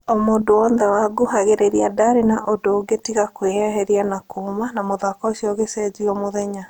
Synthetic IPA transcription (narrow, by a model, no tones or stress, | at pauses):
omoːdoɔnðɛwaɡuɦaɣeɾeɾiadaɾenaʔodoːɡetiɣakwehɛɦɛɾianakomanamoðakɔosiɔɣesɛd͡ʑiɔmoðɛɲa